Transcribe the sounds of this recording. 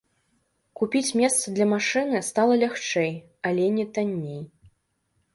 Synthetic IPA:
kupʲit͡sʲmʲɛst̪sɐd̪lʲɐmaʂɨnɨst̪alˠɐlʲaxt͡ʂɛj | alʲɛnʲɛt̪anʲːej

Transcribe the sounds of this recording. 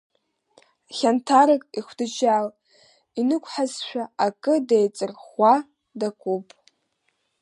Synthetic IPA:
χʲantʰaɾɨkʼiχʷdɨt͡ʃal | inɨkʷʰʼħazʃʷᶣaakʼɨdejt͡sʼɨrχʷa | dakʷʼupʼ

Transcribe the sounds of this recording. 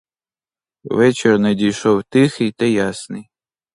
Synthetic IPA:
ʋɛt͡ʃɛrnɐdʲijʃɔwt̪ɪxɨjt̪ɐjasnɨj

